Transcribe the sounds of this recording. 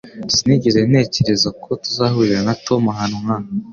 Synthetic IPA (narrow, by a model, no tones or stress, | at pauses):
siniɟeze̞n̥e̞ːce̞ɾe̞zakʰo̞tuzahuɾiɾanatʰo̞maɦaːnumŋaːna